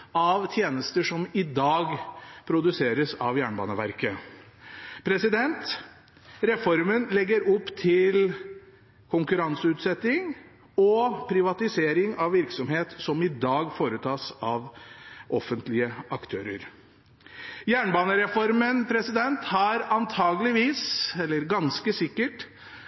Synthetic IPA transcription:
ɑʋt̪ʰjeːnəst̪əʂɔmɪd̪ɑːɡpʰɾʊd̪ʉseːɾəsɑʋjæːɳbɑ̰ːnəʋæɾkə | pʰɾɛsɪd̪ɛnt̪ | ɾɛfɔɾmənlɛɡːəɾɔpːt̪ʰɪl | kʰʊŋkʉɾɑnsəʉːt̪sɛt̪ɪŋ | ɔpʰɾɪʋɑt̪ɪseːɾɪŋɑʋːɪɾksɔmheːt̪sɔmɪd̪ɑːɡfoːɾət̪ʰɑːsɑʋʔɔfːənt̪lɪəɑkt̪ʰø̰ːɾəɾ | jæːɳbɑːnəɾɛfɔɾmənpʰɾɛsɪd̪ɛnt̪hɑɾɑnt̪ʰɑːɡəlɪʋiːsɛlːəɾɡɑnskəsɪkːəʈ

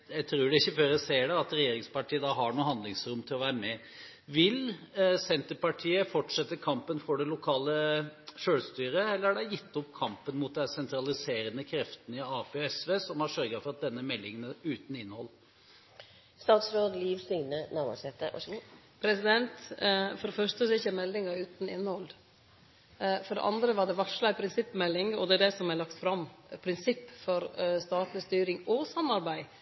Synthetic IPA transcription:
jæɪt̪ʰɾuːɖɛɪçːəføːɾjæseːɖɛɑt̪ɾɛjeːɾɪŋspɑʈiːəd̪ɑɦɑɳuːɦɑnd̪lɪŋsɾʊmːt̪ʰɪlɔʋæːɾəmɛ | ʋɪlsɛnt̪əɾpɑʈʰiːəfɔʈʂɛt̪ːəɾkʰɑmpənfɔɖɛlʊkʰɑːləʃøːɽst̪yːɾəɛlːəɾæɖæɪjɪt̪ːɔpːkʰɑmpənmut̪̚d̪æsɛnt̪ɾɑlɪseːɾənəkʰɾɛft̪ənəɪɑːpʰeːɛsʋeːsɔmhɑʂœɾɡəfɔɾɑt̪̚d̪ɛnːəmɛlːɪŋənəʉːt̪n̩ɪnːhɔlː | st̪ɑːt̪sɾoːd̪liːʋsʏŋnənɑʋɑ̰sɛt̪ə̰ | pʰɾɛsɪd̪ɛnt̪fɔɖɛfœʂʈəsɪçːəmɛlːɪŋɑʉːt̪n̩ɪnːhɔl | fɔɖɛ̰ʔɑ̰nd̪ɾəʋɑɖɛʋɑʂlɑpʰɾɪnsɪpːmɛlːɪŋɔd̪ɛæɖ̪ɛsɔmɛlɑkt̪fɾɑmpʰɾɪnsɪpːfɔɾst̪ɑːʈnəst̪yːɾɪŋɔsɑmːɑɾbæɪ

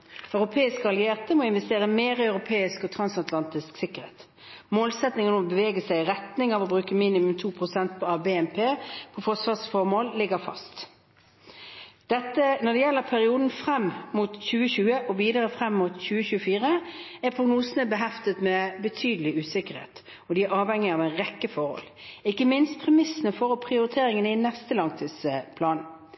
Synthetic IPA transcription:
œʉʁʊpʰeːɪskəɑlɪeːʁt̪əmɔɪnʋɛst̪eːʁəmeːʁɪœʉɾʊpʰeːɪskɔt̪ʰɾɑnsɑt̪lɑnt̪ɪsksɪkəɾhḛːt̪ | moːlsɛt̪nɪŋənmɔbəʋeːɡəsæɪɪʁɛt̪nɪŋɑʋɔbʁʉːkəmiːnɪmʉmt̪ʰuːpʰʁʊsɛnt̪̚pʰɔɑʋbɛːɛnpʰeːpʰɔfɔʂʋɑːsfɔʁmoːllɪɡəfɑ̰st̪ | d̪̥ɛt̪ːənɔd̪ɛjɛlːəpʰæʁɪuːd̪n̩fɾɛmːmut̪çʉːəɕʉːəʔɔʋiːd̪əʁəfʁɛmːut̪çʉːəçʉːəfiːʁəæɾpʰʁʊɡnuːsənəbəɦɛft̪ət̪mɛbət̪ʰyːd̪əlɪʉːsɪkəɾhḛːt̪ | ɔd̪ɪæɾɑːʋhɛŋːɪɑːʋæɪnʁɛkːəfɔhɔ̰lɪkːəmɪnst̪̚pʰʁɛmɪsːənəfɔʁɔpʰʁɪʊɾɪt̪ʰeːɾɪŋənəɪnɛst̪əlɑŋt̪ʰiːsəpʰlɑːn

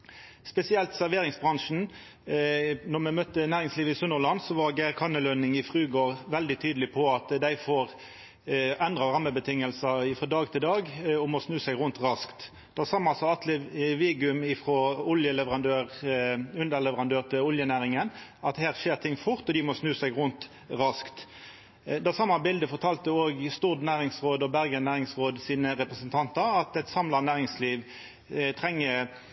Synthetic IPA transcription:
spɛsɪɛlt̪sæʁʋeːɾɪŋsbɾʁɑŋʂn̩ | nɔmɛmœt̪ːənæːʁɪŋsliːʋəɪsʊnəʁlɑnsɔʋɑʁɡæɪkʰɑnəlønɪŋɪfʁʉːɡoːʁʋɛld̪ɪt̪ʰyːd̪əlɪpʰɔɑt̪d̪æɪfoːʁ | ɛnd̪ʁɑʁɑmːəbət̪ʰɪŋːəlsəɪfʁɔːd̪ɑːɡ̚t̪ʰɪld̪ɑːɡɔmɔsnʉːsæɪɡʁʊnt̪ʁɑskt̪ | d̪̥ɑsɑːmɑnɑlsɑɑt̪ʰlɪʋeːɡɪʉmɪfʁɔʊljəlɛʋəʁɑnd̪øːʁʉnd̪əʁlɛʋəʁɑnd̪øːʁt̪ʰɪlʊljənæːʁɪŋənɑt̪hæːʁʃeːʁt̪ʰɪŋːfʊʁt̪ɔd̪ɪmɔsnʉːsæɡʁʊnt̪ | ʁɑskt̪ | d̪ɑsɑmːɑbɪld̪əfɔʁt̪ʰɑlt̪əoːɡst̪uːʁd̪næːʁɪŋsʁoːd̪ɔbæʁɡənæːʁɪŋsʁoːd̪siːnəʁɛpʁəsənt̪ʰɑnt̪ɑɾɑt̪ɛɪt̪sɑmlɑnæːʁɪŋsliːʋ | t̪ʰʁɛŋːə

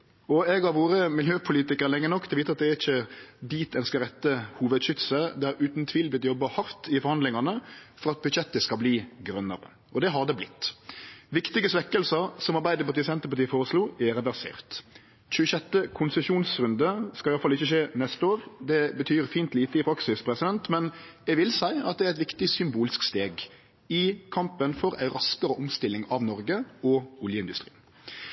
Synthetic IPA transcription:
ɔɛɡɑʁʋoːɾəmɪljøːpʰʊliːt̪ɪkəɾlɛŋːənɔkːt̪ʰlʋiːt̪əɑt̪̚d̪ɛæɾɪçːəd̪iːt̪ʰɛnskəɾʁɛt̪ːəhuːʋəd̪ɕʏt̪səd̪æɾʉːt̪n̩t̪ʰʋiːlbɪt̪jɔbːɑhɑɾt̪ɪfɔɾhɑnd̪lɪŋɑnəfɔɾɑt̪̚bʉd̪çɛt̪ːəskɑbliːɡɾœnːə̰ʁə̰ | ʔɔd̪ɛɦɑd̪əblɪt̪ːʋɪkt̪ɪɡəsʋɛkːəlsəɾsɔmɑʁbæɪd̪əpɑɾt̪iːsɛnt̪əpɑt̪ʰiːfoːɾəsluːɛɾɛʋæʁsḛːʁt̪ | çʉːəʃɛt̪ːəkʰʊnsɛʃuːnsʁʉnd̪əskɑlɪɑləfɑlɪçəʃeːnɛst̪əoːʁd̪ɛbət̪ʰyːɾfiːnt̪liːt̪əɪpʰɾɑksɪspʰɾɛsɪd̪ɛnt̪mɛnɛʋɪlsæɪɑ̰t̪̚d̪ɛæɾɛt̪ʋɪkt̪ɪsʏmbuːlɪskst̪eːɡ | ɪkʰɑmpənfɔɾæ̰ɪɾɑskəɾəʔʊmst̪ɪlːɪŋɑʋnɔɾɡəɔʊljəɪnd̪ʉst̪ɾḭːn

